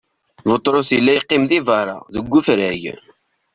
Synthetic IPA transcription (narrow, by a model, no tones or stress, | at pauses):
vət̪ˤːɾˤosjəlːæjqːɪmðivɑɾˤɑ̰ðəɡʷːufɾæʝ